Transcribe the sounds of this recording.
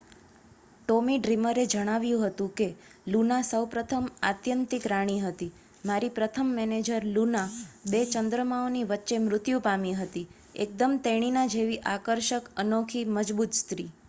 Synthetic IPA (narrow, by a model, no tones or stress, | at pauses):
ʈomiɖɾiməɾed͡ʒəɽ̃aʋjũɦət̪ũke | lunasəwpɾət̪ʰəma̰t̪jənt̪ɪkɾaɽ̃iɦət̪i | maɾipɾət̪ʰəmːɛned͡ʒəɾlunabet͡ʃənd̪ɾəmaoniʋətːʃemɾʊt̪jũpamiɦət̪i | ḛk̚d̪əmt̪eɽ̃inãd͡ʒeʋiʔakəɾʃəkənokʰiməd͡ʒbut̪st̪ɾi